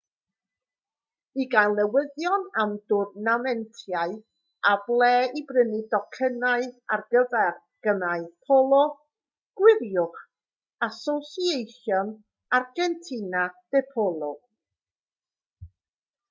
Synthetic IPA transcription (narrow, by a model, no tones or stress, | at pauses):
iɡalˠnɛwɪðjɔnamdʊrnamɛntʰjaɨ | ablˠɛːibrənidɔkʰənaɨarɡəðar | ɡ̥ənaɨpʰɔlˠɔ | ɡ̥wɪɾjʊχ | asɔsiejɬjɔn | arɡɛntʰinad̥ɛpʰɔlˠɔ